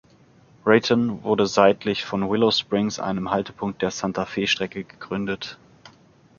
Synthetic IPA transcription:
ʁɛtʰənvʊɐdəzaɪtʰlɪçfɔnwɪlospʁ̥ɪŋsʔa̰ɪnəmhaltə̥pʰʊŋkt̚d̥eːɐsantʰafeːʃtʁ̥ɛkəɡəɡ̥ʁʏndət

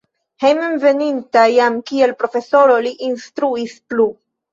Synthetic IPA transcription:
hejmenve̞nintajamkielpɾo̞fe̞so̞ɾo̞liʔinstɾuisplu

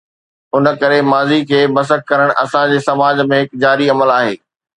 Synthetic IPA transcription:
ʊnə̆kɐɾemaːzikʰeːmɐs̬ək̚kːɐɾəɽ̃ʔɐ̰sãd͡ʑeːsɐmaːd͡ʑmẽɦɪkd͡ʑaːɾiɐməlaːɦeː

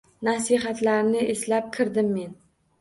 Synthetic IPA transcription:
nasiɦat̪laɾnɪʔeslap̚kʲʰɪɾd̪ɪmːe̞n

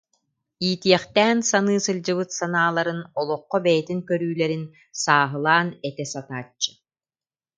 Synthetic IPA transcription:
iːt̪iɛχt̪ɛːnsanɯːsɯld͡ʑɯβɯt̪sanaːlˠaɾɯnɔlˠɔqːɔbɛjɛt̪iŋkœɾyːlɛɾin | saːɦɯlˠaːnɛt̪ɛsat̪aːt͡ɕːɯ̥

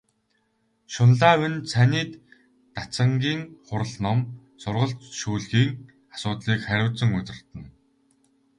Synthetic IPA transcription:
ʃʊnɮaːwɵ̆nsʰanʲiːt̪ː | at͡sə̆ŋɡʲiːŋχʊɾə̆ɮnɔm | sʊrʁə̆ɬt̪ʃuːɮɣiːŋ | asʊːt̪ɮiːkχæɾʲʊːt͡sə̆ŋʊt̪ʲɪ̆rt̪ɘ̆n

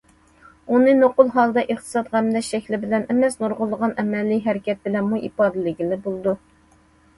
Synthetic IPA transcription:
unɨnoqʊlˠɦɑlˠd̪ɑʔeχt̪ʰɨ̥sɑt̪ʁɛmd̪ɛʃʃɛkʲlɪbɪlɛnɛmɛsnuɾʁʊlˠːəʁɑnɛmɛlːijɦɛɾɪkʲɛt̪̚bɪlɛnmuʔḭpɑːd̪ɨlɪɡʲilɪbolˠɨd̪u

